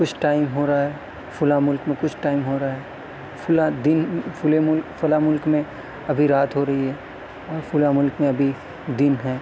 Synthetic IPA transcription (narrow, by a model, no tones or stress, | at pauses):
kʊt͡ʃʰʈaːɪmɦoːɾaaɦɛ | fʰʊlamʊlkmẽkʊt͡ʃʰʈaːɪmɦoːɾaaɦɛ | fʰʊlad̪ɪnfʊlemʊlkfʊlamʊlkmẽ | ɐbʱiɾaːt̪ʰɦoɾɐɦiɦɛː | ɔːɾfʰʊlamʊlkmẽɐbʱi | d̪ɪnɦɛː